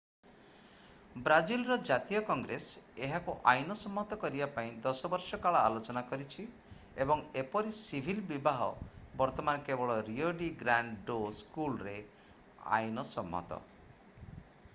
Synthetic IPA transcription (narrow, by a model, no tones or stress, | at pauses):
bɾad͡ʒilɾɔd͡ʒat̪ijɔkɔŋɡɾeseɦakuʔajnɔsɔmːɔt̪ɔkɔɾibapaĩd̪ɔsɔbɔɾsɔkaɭɔalot͡ʃɔnakɔɾit͡ʃʰi | ebɔŋepɔɾisibʱilbibaɦɔbɔɾt̪ɔmankebɔɭɔɾioɖiɡɾaɳɖɖoskulɾe | a̰jnɔsɔmːɔ̰t̪ɔ̰